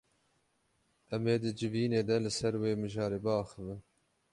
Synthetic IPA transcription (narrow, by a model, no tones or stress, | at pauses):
ʔɛmeːd̪ɨd͡ʒɨviːneːd̪ɛlɨsɛɾweːmɨʒɑːɾeːbɑːxɨvɨn